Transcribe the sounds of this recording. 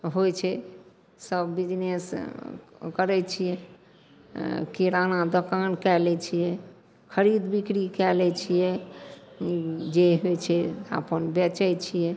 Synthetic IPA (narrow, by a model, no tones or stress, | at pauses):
ɦojt͡ʃʰɛ | səbːid͡ʒnes | kəɾɛt͡ʃʰijɛ | kiɾanad̪əkankɛlɛt͡ʃʰijɛ | kʰəɾid̪bikɾikɛlɛt͡ʃʰijɛ | d͡ʒeɦojt͡ʃʰɛa̰pənbɛt͡ʃəjt͡ʃʰijɛ